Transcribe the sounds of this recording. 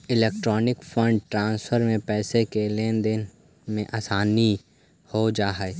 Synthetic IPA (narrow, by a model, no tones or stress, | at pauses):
ɪleːk̚ʈɾɔːnɪkfʰə̃ɳɖʈɾãːnsfʰəɾmẽpɛːsekeleːnd̪ɪn | mẽʔaːsaːni | hod͡ʒaːɦae